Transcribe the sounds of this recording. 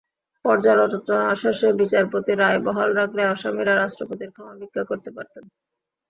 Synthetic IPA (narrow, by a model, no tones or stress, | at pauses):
pɔɾd͡ʑalod͡ʑɔnaʃaʃebit͡ɕaɾpot̪iɾaebɔɦolɾakʰleɔʃamiɾaɾaʃʈɾopot̪iɾkʰamabiɡʱːakoɾt̪epaɾt̪en